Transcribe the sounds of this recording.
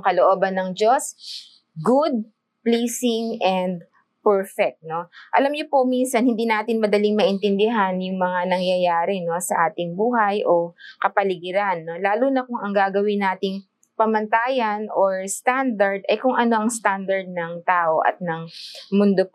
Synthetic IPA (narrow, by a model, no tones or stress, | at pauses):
kɐloʔoːbɐnːɐŋd͡ʒo̞s | ɡud̪̚ | pleːsɪŋʔɛnd̪̚ | pɛɹfɛk̚t̪̚no̞ʔɐ̰lɐmɲʊpominsɐnhɪnd̪iːnaːt̪ɪnmɐd̪ɐlɪŋmɐʔɪnt̪ɪnd̪ɪɦanjʊŋmɐŋanɐŋjɐjaːɾɛno̞sɐʔaːt̪ɪŋbuːhɐjʔo̞kɐpɐlɪɡɪɾanːo̞laːlunɐkʊŋɐŋɡaːɡɐwɪnaːt̪ɪŋ | pɐmɐnt̪aːjɐnʔoɹst̪and̪ɐɹd̪ʔɐjkʊŋʔɐno̞ʔɐŋst̪and̪ɐɹd̪̚nɐŋt̪aːʔo̞ʔɐ̰t̪̚nɐŋmʊnd̪o